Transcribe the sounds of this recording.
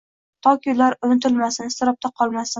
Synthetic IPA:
t̪ʰɒkʲʰʊlaɾʊnɪt̪ʰɪlmasɪnɪst̪ɪɾɒp̚t̪ʰaqʰɒlˠmasɪ

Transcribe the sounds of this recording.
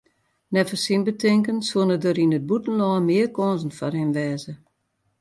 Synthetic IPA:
nɛfəsinbətʰɪŋkənsoənədəɾinəd̚butn̩lɔːmɪərkɔːnzn̩fɔrhɪnʋɛːzə

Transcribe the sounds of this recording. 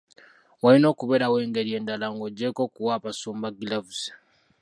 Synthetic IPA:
walino̞ːkuβeɾawe̞ːŋɡeɾie̞ːndalaŋɡoɟːeko̞ːkuwaːpasuːmbaɡilavuze̥

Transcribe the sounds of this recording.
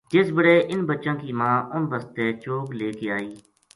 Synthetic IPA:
d͡ʒɪsbəɽeːʔɪnbətːʃãːkiːmãːʊnbəst̪eːt͡ʃoːkleːkeːaːiː

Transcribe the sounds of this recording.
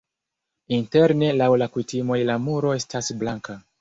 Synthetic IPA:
inteɾne̞lawlakutimo̞jlamuɾo̞e̞stasblaŋka

